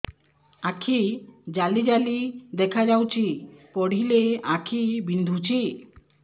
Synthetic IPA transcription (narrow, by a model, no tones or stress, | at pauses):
akʰid͡ʒalid͡ʒalid̪ɛkʰad͡ʒawt͡ʃʰipɔɽ̤ileakʰibind̪ʱut͡ɕʰi